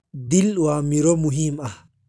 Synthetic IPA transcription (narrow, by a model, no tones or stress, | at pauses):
d̪ilwamiɾomuɦima